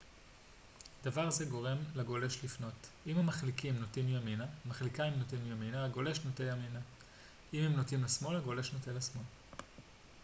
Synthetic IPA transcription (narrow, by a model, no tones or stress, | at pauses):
davaʁazeɡo̞ʁe̞mlaɡo̞le̞ʃlifno̞timamaχlikimnotimjaminaamaχlikaimnotimjaminaːɡo̞le̞ʃnotejamina | imemnotimlasmo̞laɡo̞le̞ʃnotelasmo̞l